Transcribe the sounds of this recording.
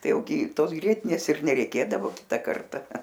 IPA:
ˈtɐɪ ˈjɛʊ ɡʲɪ ˈtoːs ˈɡrʲiɛtʲɪnʲeːs ɪr nʲɛrʲɛɪˈkʲeːdɐʋoː ˈkʲɪtɐ ˈkɐrtɐ

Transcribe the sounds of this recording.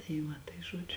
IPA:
tɐɪ ˈʋɐ tɐɪ ˈʒuɔd͡ʒʲʊ

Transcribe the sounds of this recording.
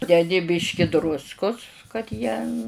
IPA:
dʲɛˈdʲɪ ˈbʲiːʃʲkʲɪ ˈdrʊskʊs kɐt ˈjiɛ

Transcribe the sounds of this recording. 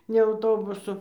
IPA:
nʲɛ ɐʊˈtoːbʊsʊ

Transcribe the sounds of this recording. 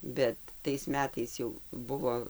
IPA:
ˈbʲɛt tɐɪs ˈmʲæːtɐɪs jɛʊ ˈbʊʋoː

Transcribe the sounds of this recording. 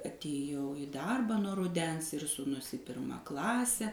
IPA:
ɐtʲeːˈjɛʊ ɪ ˈdɐrbɑː nuɔ rʊˈdʲɛns ɪr suːˈnʊ s iː ˈpʲɪrmɐ ˈklˠɑːsʲɛ

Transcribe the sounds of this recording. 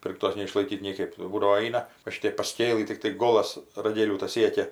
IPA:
ˈpʲɪrktoːs nʲɛɪʃlˠɐɪˈkʲiːt nʲiɛˈkɐɪp jɛʊ ˈbuːdɐʋoː ˈɐɪnɐ ʋɐ ˈʃʲɪtʲɛɪp pɐˈsʲkʲeːlˠɨ tʲɪkˈtɐɪ ˈɡoːlˠɐs rɐˈɡʲeːlʲuː tɐs ˈsʲiɛkʲɛ

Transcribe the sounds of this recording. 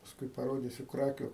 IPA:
pɐsˈkʊɪ pɐˈroːdʲiːsʲʊ ˈkrɑːkʲʊ

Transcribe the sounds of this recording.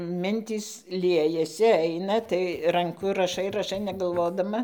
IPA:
ˈmʲɪnʲtʲiːs ˈlʲiɛjɛsʲɪ ˈɐɪnɐ tɐɪ rɐŋˈkʊ rɐˈʃɐɪ rɐˈʃɐɪ nʲɛɡɐlˠˈʋoːdɐmɐ

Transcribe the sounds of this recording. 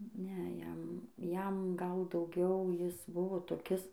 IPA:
ˈnʲɛ ˈjɛm ˈjɛm ɡɐlˠ dɐʊˈɡʲɛʊ ˈjɪs ˈbʊʋoː toːˈkʲɪs

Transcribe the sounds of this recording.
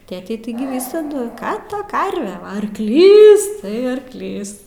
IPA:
ˈtʲeːtʲɛɪ ˈtɐɪɡʲɪ ˈʋʲiːsɐdʊ ˈkɑː ˈtɐ ˈkɐrʲʋʲɛ ˈʋɐ ɐrkˈlʲiːs tɐɪ ɐrkˈlʲiːs

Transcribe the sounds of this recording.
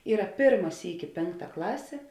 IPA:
ˈiːrɐ ˈpʲeːrmɐ ˈsʲiːkʲɪ ˈpʲeːŋkˌtɐ ˈklˠɑːsʲeː

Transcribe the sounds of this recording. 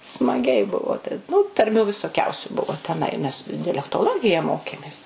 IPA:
smɐˈɡʲɛɪ ˈbʊʋoː tɐɪ ˈnʊ tɐrʲˈmʲuː ʋʲɪsoːˈkʲɛʊsʲʊ ˈbʊʋoː tʲɛˈnɐɪ nʲɛs dʲɛlʲɛktoːˈlˠoːɡʲɪjɛ ˈmoːkʲeːmʲeːs

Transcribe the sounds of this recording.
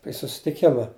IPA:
ɪ sʊsʲɪtʲɪˈkʲɪmɐ

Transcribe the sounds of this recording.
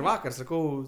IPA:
ˈʋɑːkɐr sɐˈkɐʊ

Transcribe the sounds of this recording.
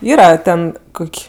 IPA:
ˈiːrɐ ˈtʲɛn ˈkʊkʲ

